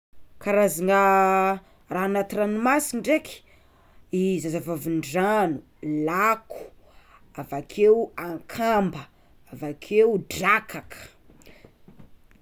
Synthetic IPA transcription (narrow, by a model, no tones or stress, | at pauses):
kaɾaziŋa | ranat̪iranimasiniɖ͡ʐeki̥ | izazavavinɖ͡ʐanu | lakʰu̥ | avakʰewaŋkʰambə | avakʰewɖ͡ʐakʰakʰə̥